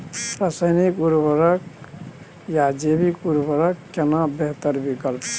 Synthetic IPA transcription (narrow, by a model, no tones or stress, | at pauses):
ɾəsəjnikuɾbəɾək | jad͡ʒebikuɾbəɾəkːenabeɦt̪əɾbikəlp